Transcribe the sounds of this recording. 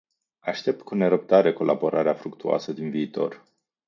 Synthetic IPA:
aʃt̪e̞p̚t̪̚kune̞ɾəp̚t̪aɾeko̞lʔabo̞ɾaɾeafɾukt̪ua̰səd̪inviːt̪o̞̰r

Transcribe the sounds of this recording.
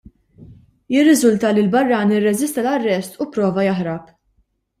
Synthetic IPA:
jɪrːɪzʊlt̪ɐlilbɐrːɐːnɪrːɛzɪst̪ɐlɐrːɛst̪upɾɔːvɐjɐħɾɐp

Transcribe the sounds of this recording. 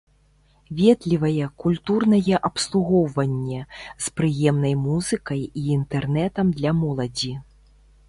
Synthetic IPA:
vʲɛd̪lʲivɐjɛkulʲt̪urnɐjɛʔɐpslˠuɣɔwvɐnʲːɛspɾɨjɛmnɐjmuzɨkɐjiːnt̪ɛrnɛt̪ɐmd̪lʲɐmɔlˠɐd͡zʲi

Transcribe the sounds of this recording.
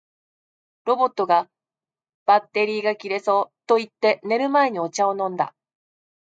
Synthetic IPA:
ɾo̞bo̞t̪ːo̞ɡa | b̥at̪ːe̞ɾʲiːɡakʲiɾe̞so̞ːt̪o̞it̪ːe̞ne̞ɾɯ̟mae̞ɲ̟io̞t͡ɕaonõ̞nd̪a̰

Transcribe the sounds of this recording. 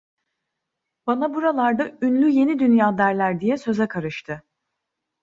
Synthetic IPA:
b̥anabuɾalˠaɾd̪aynlʲyje̞nid̪ynjaːd̪æɾlʲæɾd̪ijɛsø̞zɛkʰaɾɯʃt̪ʰɯ

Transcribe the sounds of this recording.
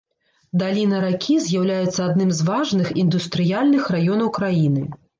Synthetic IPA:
d̪alʲinɐɾakʲʰizʲjawlʲajɛt̪sːɐad̪nɨmzvaʐnɨxind̪ust̪ɾɨjalʲnɨxrajɔnɐwkɾajinɨ

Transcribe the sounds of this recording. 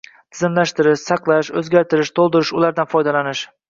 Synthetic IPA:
t̪ʰɪzɪmlaʃt̪ɪɾɪʃsɑqlˠaʃɵzɡʲaɾt̪ʰɪɾɪʃt̪ʰolˠd̪ɪɾɪʃʊlaɾd̪anfɒjd̪alanɪʃ

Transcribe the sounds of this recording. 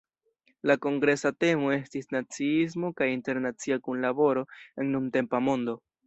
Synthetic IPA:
lako̞ŋɡɾe̞sate̞mo̞e̞stisnat͡siis̬mo̞kajinte̞ɾnat͡siakunlabo̞ɾo̞e̞nːumte̞mpamo̞ndo̞

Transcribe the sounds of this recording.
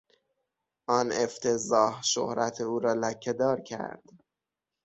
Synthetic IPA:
ʔɒneft̪ʰezɒːhʃo̰hɾæt̪ʰeuːɾɒːlæcʰːed̪ɒːɾcʰæ̰ɾd̪̥

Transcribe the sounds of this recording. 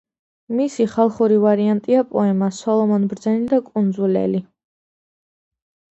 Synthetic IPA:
misiχalˠχuɾivaɾiant̪ʼiapʼɔɛmasɔlˠɔmɔnbɾd̪zɛnid̪akʼund̪zulɛ̰li

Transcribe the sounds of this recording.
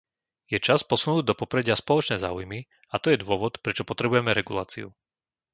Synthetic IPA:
jɛt͡ʃaspɔsunuːɟd̪ɔpɔpɾɛɟɪaspɔlɔt͡ʃnɛːza̰ːujmi | at̪ɔjɛd̪ʊɔʋɔt̪pɾɛt͡ʃɔpɔt̪ɾɛbujɛmɛɾɛɡulaːt͡siṵ

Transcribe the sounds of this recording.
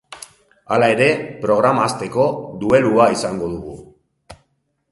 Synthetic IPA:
alae̞ɾe̞pɾo̞ɣ̞ɾamaːst̪e̞ko̞d̪ue̞luaisaŋɡo̞ðuɣ̞u

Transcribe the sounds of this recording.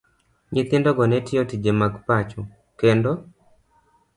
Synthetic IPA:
ɲit̪ɪndɔɡɔnɛtɪjotid͡ʒɛmaɡpat͡ʃɔ | kɛndɔ

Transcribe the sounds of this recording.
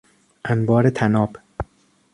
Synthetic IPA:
ʔænbɒːɾet̪ʰænɒːb

